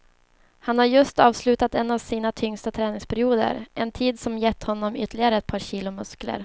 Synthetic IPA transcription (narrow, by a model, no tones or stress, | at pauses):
hanhaɾjɵst̪ɑːvslʉ̟ːt̪at̪ɛnːavsiːnat̪ʰʏŋst̪at̪ʰɾɛːnɪŋspʰæɾɪuːd̪ə̰ɾʔɛnt̪ʰiːd̪sɔmjɛt̪ːhɔnːɔmʏ̰t̪ːəlɪɡaɾəɛt̪̚pʰɑːɾɕiːlʊmɵsklə̰ɾ